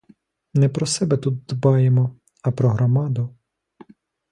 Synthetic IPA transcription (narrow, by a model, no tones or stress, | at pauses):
nɛpɾɔsɛbɛt̪ud̪̚d̪bɑjemɔ | ɐpɾɔɦɾɔmɑd̪ʊ